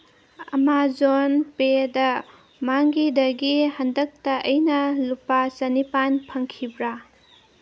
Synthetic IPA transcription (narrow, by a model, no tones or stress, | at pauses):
ɐmad͡ʒonpedɐ | maŋɡidɐɡihɐndɐk̚tɐʔːjnɐlupːasɐnipanpʰɐŋkʰibɾa